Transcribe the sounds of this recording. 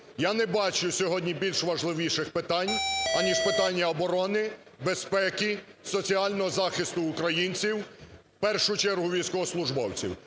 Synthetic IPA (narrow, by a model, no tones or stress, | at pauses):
janɛbɑt͡ʃʊsʲɔɦɔdʲnʲibʲilʲʃʋɐʒlˠɪʋʲiʃɪxpɪt̪ɑnʲɐnʲiʃpɪt̪ɑnʲːɐːbɔɾɔnɪ | bespɛkʲi | sɔt͡sʲiɑlʲnɔɦɔzɑxɪst̪ʊːkɾɐjinʲt͡sʲiw | pɛrʃʊt͡ʃɛrɦʊʋʲijsʲkɔɦɔslˠʊʒbɔwt͡sʲḭw